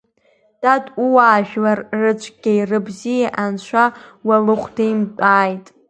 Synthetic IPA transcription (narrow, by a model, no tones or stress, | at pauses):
d̥adʼuwaːʒᶣlarrɨt͡ʃʷʰʼɡ̥ʲajrɨbzijaʔant͡ʃʷʰawalɨχʷdejmtʼaːjtʼ